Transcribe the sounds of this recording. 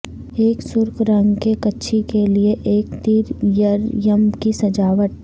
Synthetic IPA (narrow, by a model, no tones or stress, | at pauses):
eːksʊɾkɾɐ̃ŋɡkekɐtːʃʰikelieʔeːkt̪iːɾjəɾjəmkisɐd͡ʒaːʋəʈ̪̚